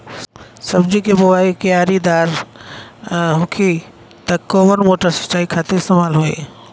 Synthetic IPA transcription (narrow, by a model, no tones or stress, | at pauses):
sɐbd͡ʒikeboʋaːikeaːɾid̪aːɾ | ɦʊkʰi | t̪ɐkːɔːʋəɾmoːʈəɾsɐ̥t͡ʃaːikʰaːt̪eɪst̪emaːlɦoːḛː